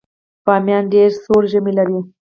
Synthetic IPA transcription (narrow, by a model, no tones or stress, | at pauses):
pɑmjɑnɖeɾsoɾʒəmilaɾi